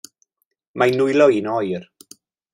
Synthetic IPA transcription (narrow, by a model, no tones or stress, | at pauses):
manʊjlɔinɔjr